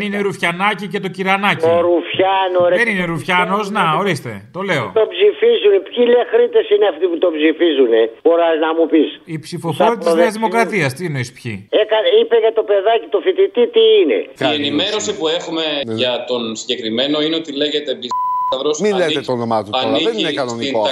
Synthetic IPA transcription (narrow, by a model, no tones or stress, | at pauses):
nine̞ɾufçɐnɐcice̞t̪o̞ciɾɐnɐcoɾufçɐnoɾeenineɾufçɐno̞znɐo̞ɾist̪e̞̰t̪o̞le̞o̞̰t̪opsifizunpçilexɾit̪e̞sineɐft̪iput̪o̞psifizuneb̥o̞ɾɐznɐmupisipsifo̞foɾiɐt̪zððiɐzðimo̞kɾɐt̪iɐst̪ieno̞ispçḭekɐnipeʝɐt̪o̞pe̞ðɐcit̪o̞fit̪it̪it̪iine̞̰enime̞ɾo̞sipue̞xume̞ʝɐt̪o̞nsi̥ɟekɾimeno̞ineot̪ileʝet̪ebizɐɾosmileet̪onomɐt̪uɐnieinekɐnonio